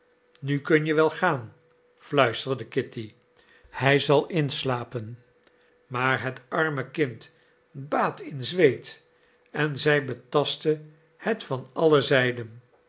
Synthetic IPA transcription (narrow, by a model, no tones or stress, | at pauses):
nykɵnjəʋɛlˠχaːn | flœɥstərdəkɪti | hɛjzɑlˠɪnslaːpən | maːɹɦətɑɹməkɪnt | baːtɪnzʋejt | ɛnzɛjbətɑstə | hɛtfɑnɑləzɛjdən